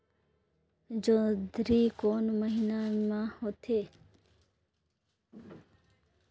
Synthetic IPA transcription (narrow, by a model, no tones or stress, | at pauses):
d͡ʒõːd̪ʱɾiːkoːnməɦinamãhoːt̪ʰeː